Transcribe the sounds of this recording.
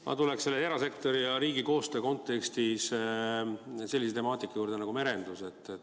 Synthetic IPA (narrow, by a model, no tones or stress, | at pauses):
mɑ̰t̪ulekse̞lːejeɾɑse̞kt̪o̞ɾijɑɾiːɡiko̞ːst̪øːko̞nt̪ːˑe̞kst̪is | se̞lʲːiset̪e̞mɑːt̪ːˑikːˑɑjuːrd̪e̞nɑɡume̞ɾe̞nd̪̥use̞t̪ːˑe